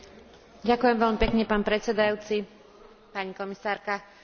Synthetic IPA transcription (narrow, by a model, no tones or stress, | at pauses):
ɟakujɛmʋɛʎmipɛkɲɛpaːnpɾɛt͡sɛd̪ajuːt͡si | paɲikɔmisaːɾka